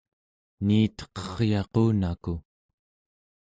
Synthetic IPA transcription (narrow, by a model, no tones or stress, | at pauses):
niːt̪ʌ̥qʌʁjɑquːnaku